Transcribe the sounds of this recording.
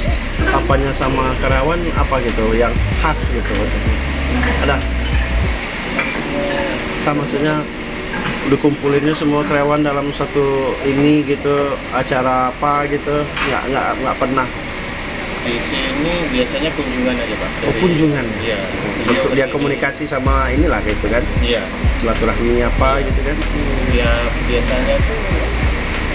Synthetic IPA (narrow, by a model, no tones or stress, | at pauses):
apaɲasamakəɾawana̰paɡit̪ujaŋhasɡit̪umasuʔɲa | ada | t̪amasuʔɲa | dukumpulɪnɲasəmuakəɾeawandalamsat̪uiniɡit̪u | at͡ʃaɾaːpaɡit̪uŋɡa̰ʔŋɡa̰ʔŋɡaʔpərnah | disinibiasaɲapuɲd͡ʒuŋanad͡ʒapaʔdapuɲd͡ʒuŋanaja | bənt̪ʊk̚diakomunikasisamainilahɡit̪ukanija | səlat̪ulahmiapaɡit̪ukaniabiasaɲat̪u